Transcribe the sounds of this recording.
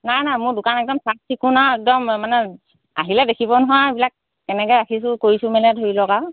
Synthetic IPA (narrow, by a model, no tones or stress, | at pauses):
najnajmʊɹdʊkanɛk̚dɔmsat̚tikunaɛk̚dɔmmanɛ | a̰ɦilɛdekʰibɔnɔɦajbilak̚ː | ɛnɛkɔjakʰis̬ʊkoɹisʊ̃mɛnɛdʱoɹilɔɡa